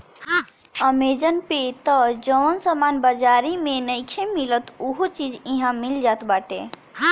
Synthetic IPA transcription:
əmed͡ʒənpet̪əd͡ʒəʋənsəmanbəd͡ʒaɾimẽnəjkʰemilət̪uɦot͡ʃid͡ʒĩɦãmild͡ʒat̪baʈe

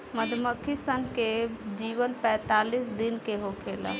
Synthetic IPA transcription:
məd̪ʱməkʰisənked͡ʒiʋənpɛ̃ːt̪alisd̪inkeɦokʰela̰

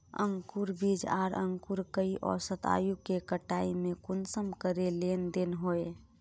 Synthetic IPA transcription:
ə̰ŋkuɾbid͡ʒaːɾʔə̰ŋkuɾkəiʔɔ̰ːsət̪a̰ːjukekəʈaːimẽkʊnsəmkəɾelend̪enɦoe

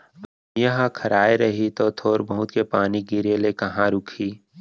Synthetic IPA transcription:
jɐɦãkʰɐɾaːeɾɐɦit̪ot̪ʰoːɾbɐɦʊt̪kepaːniɡɪɾelekɐɦãɾʊkʰiː

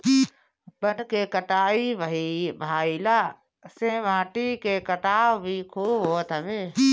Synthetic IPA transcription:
bənkekəʈaːibibʱaːilaː | sẽːʋãːʈikekəʈaːʋbʱikʰuːbɦoːt̪əʋeː

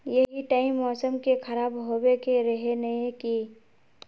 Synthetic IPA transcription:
jəɦiʈaːɪmːɔːsəmkekʰəɾaːbɦobekeɾəɦenəɦeki

